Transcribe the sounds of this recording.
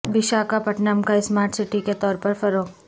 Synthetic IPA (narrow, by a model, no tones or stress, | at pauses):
ʋɪʃaːkapɐʈnəmkaɪsmaːɾʈsɪʈiket̪ɔːɾpɐɾfɐɾoːk